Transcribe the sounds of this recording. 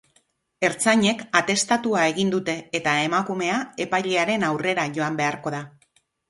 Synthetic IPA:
e̞ɾt͡saɲe̞kat̪e̞st̪at̪uae̞ɣind̪ut̪e̞ːt̪ae̞makume̞ae̞pajʎe̞aɾe̞nawre̞ɾaʝo̞ambe̞aɾko̞ða

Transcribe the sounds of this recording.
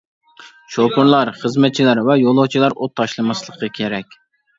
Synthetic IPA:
ʃokuɾlˠɑɾχəzmɛt̪̚t͡ʃʰilæɾvɛjolˠot͡ʃʰilˠɑɾʔot̪ʰːɑʃlˠɨmɑslˠəqʰːɑkʲʰeɾɛkʲ

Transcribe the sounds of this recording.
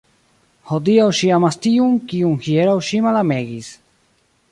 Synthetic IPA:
hod̪iawʃiamastiuŋkiunhieɾawʃimalameɡis

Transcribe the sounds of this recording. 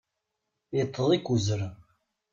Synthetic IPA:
jt̪ʰˤːəðˤikːuzəɾ

